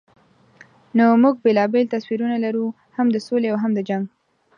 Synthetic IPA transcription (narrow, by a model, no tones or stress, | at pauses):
nomuɡ̚belɑbelt̪aswiɾunalaɾu | hamd̪əsoleawɦamd̪əd͡ʒaŋɡ